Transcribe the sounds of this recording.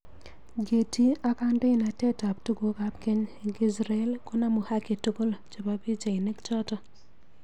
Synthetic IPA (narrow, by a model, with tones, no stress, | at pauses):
ɡe˨ti˦a˦ka˦ndɪ˦ɪ˦˨na˨tɛ˦ta˨p̚tu˦ɡo˦ka˦pke˦ɲɡɪ˦sɾa˦ɛ˦lkɔ˦na˦mu˨ha˦ki˨tu˦ɡo˦lt͡ʃo˨ba˨bi˦d͡ʒa˨ɪ˨ne˦kt͡ʃɔ˦tɔ˦